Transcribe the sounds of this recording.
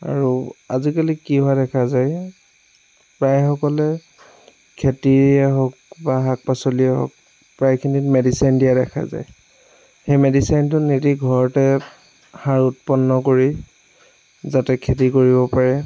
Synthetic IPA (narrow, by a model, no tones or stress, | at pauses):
a̰ɹua̰zikalikiɦʊadɛkʰazaj | pɹajxɔkɔlɛ | kʰetiɛɦɔk̚baɦak̚pasoliɛɦɔ̰k̚ | pɹajkʰinitmedisajndiadɛkʰa̰za̰j | xejmedisajntʊnetiɡʱɔɹɔtɛ | haɹut̚pɔnːɔkoɹi | zatɛkʰetikoɹibɔpaɹɛ